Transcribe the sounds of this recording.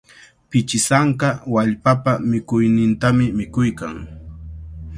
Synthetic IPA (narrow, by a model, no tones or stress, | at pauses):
pɪt͡ʃɪsaɴkɑwaʎpapamɪkʊjnɪnt̪amɪmɪkʊjkaŋ